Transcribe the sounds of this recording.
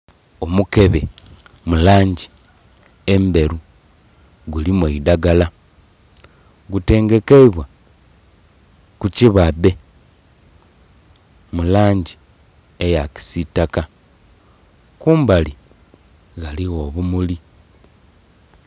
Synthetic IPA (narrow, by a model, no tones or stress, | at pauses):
o̞muke̞βemulaːɲɟi̥ | embe̞ɾu | ɡulimweidaɡala | ɡute̞ːŋɡe̞keiβwa | kuciβabe̞ | mulaːɲɟi | ejaki̥sitaka | kuːmbali | ɣaliɣo̞βumuli